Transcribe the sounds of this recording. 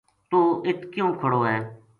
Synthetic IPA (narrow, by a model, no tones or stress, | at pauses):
t̪oːɪt̪ʰkjõːkʰəɽoːɦɛː